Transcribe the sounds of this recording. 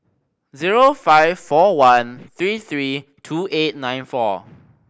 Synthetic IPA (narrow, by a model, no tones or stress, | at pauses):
ziɹofaɪvfɔwãnθɹiθɹi | tʰuʔet̚nãj̃nfɔ